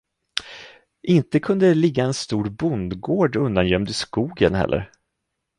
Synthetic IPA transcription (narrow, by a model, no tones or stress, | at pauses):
ʔɪnt̪əkʰɵnd̪əlɪɡːaɛnst̪uːɾbʊnd̪ɡoːɖɵnd̪anjœmd̪əskuːɡənɦɛ̰lːʔə̰ɾ